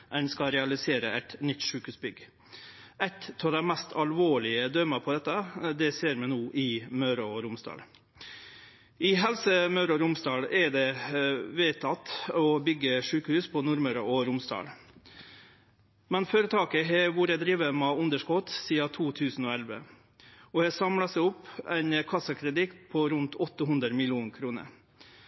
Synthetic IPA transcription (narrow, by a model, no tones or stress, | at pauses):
ʔɛnskɑɾɛɑlɪseːɾəʔɛt̪nʏt̪ːʂʉːkəhʉːsbʏɡ | ɛt̪ɑːʋd̪æɪmɛst̪ʰɑlʋoːɭɪəd̪œːməpʰɔd̪ɛt̪ːəd̪ɛseːɾmɛnuːʔɪmœːɾɔɾʊmsd̪ɑ̰ːl | ʔɪɦɛlsəmɑʉɾɔɾʊmsd̪ɑːlɛɖɛʋeːt̪ʰɑt̪ːɔbʏɡːəʂʉːkəhʉːspʰɔnʊɾməɾəʔɔɾʊmsd̪ɑ̰ːl | mɛnføːɾət̪ʰɑːkəɦɛʋuːɾəd̪ɾiːʋəmɑʉnd̪əʂkɔt̪siːɑt̪ʰuːt̪ʰʉːsn̩ɔːɛlʋə̰ | ɔhɑːsɑmlɑsɛɪʊpːæɪnkʰɑsəkʰɾɛd̪ɪkpʰɔɾʉnt̪ʰɔt̪ːəɦʉnd̪ɾəmɪlɪuːnkʰɾuːnə̰ɾ